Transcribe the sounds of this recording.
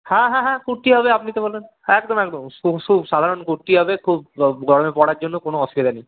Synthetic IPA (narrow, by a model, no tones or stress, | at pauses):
hãɦãɦãkuʈːiɦɔbeapnit̪ebolen | ɛkd̪ɔmɛkd̪ɔmukʰubsad̪ʱaɾɔnkuʈːiɦɔbekʰub̚ɡʱɔɽomepɔɽaɾd͡ʒonːokonoɔsbid̪anej